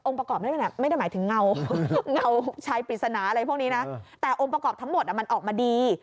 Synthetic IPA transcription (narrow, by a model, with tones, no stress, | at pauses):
ʔo˧ŋpɾa˧kɔː˨˩p̚ma˥˩˧e˧˩na˨˩m˥˩jda˥˩jmː˨˦jt̪ʰɯ˩˦ŋŋa˧wŋa˥˩wt͡ɕʰaː˦˥jpɾi˨˩t̪̚sa˧naː˨˦ʔa˧ɾa˧jpʰu˥˩niː˦˥na˦˥t̪ɛː˨˩ʔo˧ŋpɾa˧kɔː˨˩p̚t̪ʰŋmo˨˩t̪̚a˨˩ma˧nʔɔː˨˩k̚maː˧diː˧